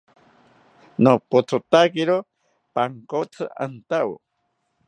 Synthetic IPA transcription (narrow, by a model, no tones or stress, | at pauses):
nopot͡sʰot̪akiɾo | paŋkot͡sʰɨa̰nt̪aw